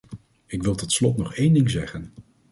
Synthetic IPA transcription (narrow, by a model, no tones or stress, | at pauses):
ɪkʋɪlˠtɔtslɔtnɔχejndɪŋzɛχən